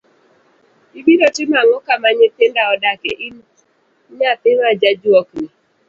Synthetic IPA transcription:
ibiɾɔtimaŋokamaɲeten̩daɔdakḛʔi | ɲapeɾad͡ʒad͡ʒuɔkni

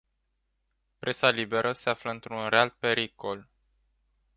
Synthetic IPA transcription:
pɾʔe̞salibe̞ɾʔəse̞afləɨnt̪ɾunre̞alpe̞ɾiko̞l

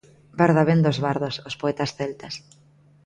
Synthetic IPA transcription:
baɾðaβend̪ozβaɾðosospoɛt̪asθelt̪as

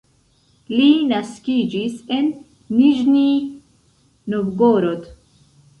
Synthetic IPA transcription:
linaskiːd͡ʒisenː | iʒni | novɡoːɾot̪

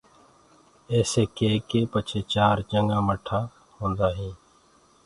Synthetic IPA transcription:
eːseːkeːkeːpət͡ʃʰeːt͡ʃaːɾt͡ʃəŋɡãːməʈʰːaː | hõːnd̪aːɦĩː

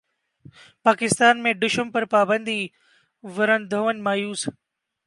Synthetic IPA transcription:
paːkɪst̪aːnmẽɖʊʃəmpɐɾpaːbə̃nd̪ʱi | ʋɐɾənd̪ʱoʋənmaːjuːs

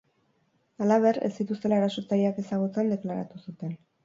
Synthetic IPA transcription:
alaβ̞e̞re̞̰sit̪ust̪elaeɾaso̞t͡sajake̞saɣ̞ut͡send̪e̞klaɾa̰t̪usut̪e̞n

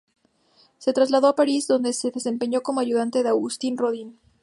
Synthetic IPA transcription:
se̞t̪ɾazlaðo̞apaɾizðo̞nd̪e̞se̞ðe̞se̞mpe̞ɲo̞ko̞mo̞aʝuðant̪e̞ðeawɣust̪inroðin

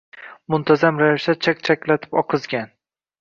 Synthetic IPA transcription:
mʊnt̪ʰazamɾavɪʃt̪at͡ʃʰak̚ʲt͡ʃʰakʲlat̪ʰɪ̥pɒqʰɨzɡʲan

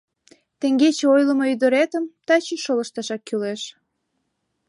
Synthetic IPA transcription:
t̪eŋɡet͡ɕeojləmoyd̪əɾet̪əmt̪ɑt͡ɕeʃoləʃt̪ɑʃɑkːyleʃ

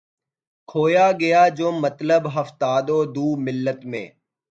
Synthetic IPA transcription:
kʰoːjaːɡɐjaːd͡ʒoːmət̪ləbɦəft̪aːd̪oːd̪uːmɪlːət̪mḛ̃ː

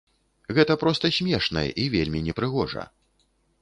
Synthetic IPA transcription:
ɣɛt̪ɐpɾɔst̪ɐsʲmʲɛʂnɐ̰jɛ̰ʔivʲelʲmʲinʲɛpɾɨɣɔʐɐ̰

